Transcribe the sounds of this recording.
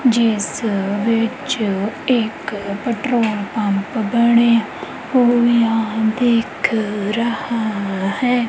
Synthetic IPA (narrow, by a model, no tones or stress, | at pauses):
d͡ʒɪsʋɪt͡ʃɪkpɛʈɾoːlpəmpbəɳe | oːjãːd̪eːkʰɾəhahɛː